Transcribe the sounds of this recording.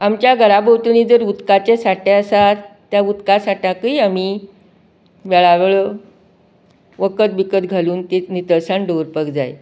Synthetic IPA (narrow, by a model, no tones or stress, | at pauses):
amt͡ɕjaɡʱəɾabəwt̪niːd͡zəɾut̪kat͡ɕesaʈeəsat̪t̪ːjaut̪kasaʈjakiːam̤i | ʋɛɭaʋeɭɔ | ʋəkət̪bikət̪ɡʱaluːnt̪enit̪əɭsaɳɖəɾpəkd͡zaj